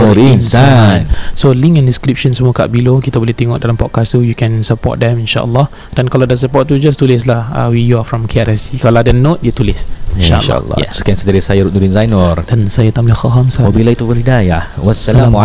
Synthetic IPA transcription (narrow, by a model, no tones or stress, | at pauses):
onssansolĩŋkɛ̃ndĩskɾip̚ʃə̃nsəmɔka̰ʔbilokit̪abolit̪ɛŋɔʔdalampɔ̰d̚kast̪ujukɛ̃nsəpɔ̰t̚dɛ̃mĩnʃa̰ʔə̰lːɔ | d̥ɛ̃nkaladəsəpɔt̚t̪ːud͡ʒast̪ulɪs̬laha̰wijuafɹɔ̃mkʰeaɾɛsikaladənot̚jut̪ulɪsiʃa̰əʃl̰lːɔ̰jɛsokɛ̃nsədaɾisajaɾut̚nudinzajnɔrdansajat̪amlixaɦamsaɔbilait̪uvəɾidajawɔɛlam